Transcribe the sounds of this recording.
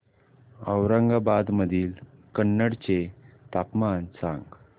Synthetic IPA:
əwɾəŋɡabad̪məd̪ʱiːlkənːəɽt͡ɕet̪apmansã̰ŋɡ

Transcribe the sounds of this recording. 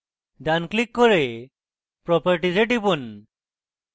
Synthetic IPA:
ɖanklikːɔɾe | pɾɔpaɾʈizeʈipun

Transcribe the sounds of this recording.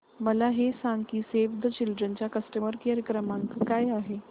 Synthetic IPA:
məlaɦesãŋkiːseʋd̪ʱəɕilɖɾənt͡ɕjakəsʈəməɾkaɾəkɾəmãŋkkajaɦe

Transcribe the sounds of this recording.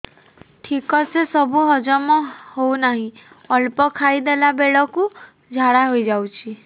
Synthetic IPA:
ʈʰikɔsesəbʱuɦəd͡ʒɔmɔ̃hounaɦĩ | əlpɔkʰaid̪elabeɭɔku | d͡ʒʱaɽaɦoid͡ʒawt͡ʃʰi

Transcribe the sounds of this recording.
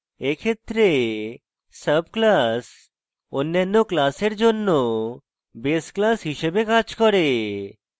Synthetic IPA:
ekʰet̪ːɾe | səbklas | onːjanːoklaseɾd͡ʒonːo | besklasɦiʃebekad͡ʑkɔɾe

